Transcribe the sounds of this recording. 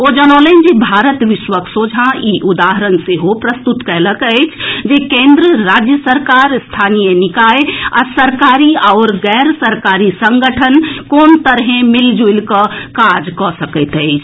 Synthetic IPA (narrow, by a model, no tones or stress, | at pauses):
od͡ʒənɔ̃ːlend͡ʒibʱaːɾət̪ʋɪʃwəksoːd͡ʒʱãiʔʊd̪aːɦəɾənseɦopɾəst̪ut̪kɛɦləkət͡ʃʰd͡ʒekẽːnd̪ɾəɾaːd͡ʒjəsəɾkaːɾst̪ʰaːnijənɪkaːea̰səɾkaːɾiaːɾɡɛːɾsəɾkaːɾisə̃ŋɡəʈʰənkoːnt̪əɾɦẽmɪld͡ʒuɪlkəkaːd͡ʒkɔsəkət̪ɦɛɪt͡ʃʰ